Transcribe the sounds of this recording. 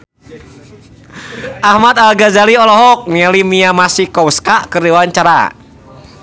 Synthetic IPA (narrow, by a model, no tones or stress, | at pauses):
ʔahmat̪alɡazaliɔlɔɦɔk̚mialimiamasikɔwskakɨrdiwaɲt͡ʃaɾa̰